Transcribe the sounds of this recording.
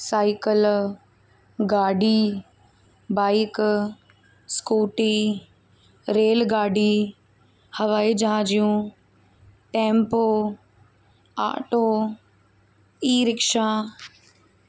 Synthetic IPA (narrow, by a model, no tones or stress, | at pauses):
saːɪkəl | ɡaːɖi | baːɪk | skuːʈi | ɾeːlɡaːɖi | hɐʋaːid͡ʒaãːd͡ʒijũ | ʈẽːmpoː | a̰ːʈoː | iːɾɪkʃaː